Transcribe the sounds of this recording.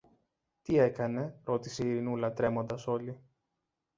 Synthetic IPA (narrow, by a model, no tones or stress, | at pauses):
t̪ie̞kɐne̞ɾo̞t̪iseiɾinulɐt̪ɾe̞mo̞nd̪ɐso̞li